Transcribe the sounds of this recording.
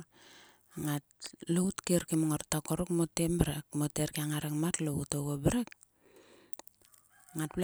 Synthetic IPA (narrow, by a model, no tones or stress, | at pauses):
ŋatloutkeɾkimoŋaɾtakoɾukmotembɾek̚moteɾkiaŋaɾekmatloutoɡobeɾek̚ | ŋat̚bl